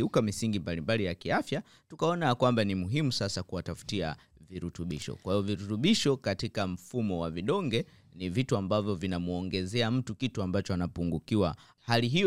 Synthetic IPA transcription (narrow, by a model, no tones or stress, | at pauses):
ukamisiŋɡimbalimbalijakiafja | tukaɔnajakwambanimuɦimusasakuwatafu̥tia | viɾutuɓiʃɔ̰kwahiɔviɾutuɓiʃɔkatikam̩fumɔwaviɗɔŋɡɛ | nivituambavjɔvinamuɔŋɡɛzɛam̩tukituambat͡ʃɔanapuŋɡukiwa | haliɦi